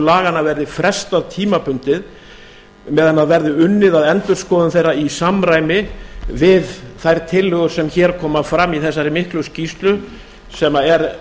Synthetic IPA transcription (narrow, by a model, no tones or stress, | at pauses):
laːɣanavɛɾðɪfɾɛst̪aðt̪ʰiːmapʰʏnt̪ɪð | mɛːðanaðvɛɾðɪʏnːɪðaðɛnt̪ʏɾ̥skɔːðʏnθejrːaisamːɾaːjmɪvɪðθajɾ̥t̪ʰɪlːʏɣʏ̥sɛmçɛːɾkʰɔːmafɾamːiθɛsːaɾɪmɪhklʏscist̪lʏ | sɛmaɛɾ